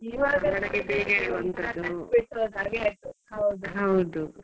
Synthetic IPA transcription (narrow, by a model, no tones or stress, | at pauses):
iːʋaːɡɐɐɽɐɡebeːɡeʋɐnt̪ɐd̪ubiʈ̪ːod̪aːɡeajt̪ːuhɐwd̪uɦɐwd̪u